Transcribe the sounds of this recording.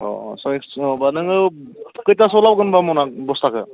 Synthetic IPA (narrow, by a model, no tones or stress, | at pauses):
ɔ̰sɔɔbanɯŋɯkɯjtasɔlap̚ɡɯnbamɔnak̚bɔst̪ʰakɯ